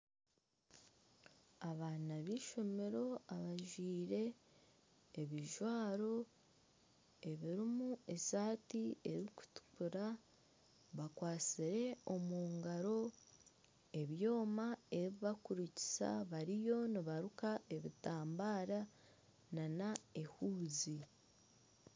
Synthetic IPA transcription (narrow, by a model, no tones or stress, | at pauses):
aβaːnaβiːʃo̞me̞ɾo̞aβaʒwiːɾe̞ | βiʒwaːɾo̞ | e̞βiɾimue̞saːtie̞ɾiku̥tu̥kuɾa | βakwaːt͡siɾe̞o̞muːŋɡaɾo̞ | e̞βjo̞ːmae̞ɾiβiβakuɾuci̥sa̰βaɾijo̞niβaɾukaʔe̞βitaːmbaːɾa | nanae̞huːzi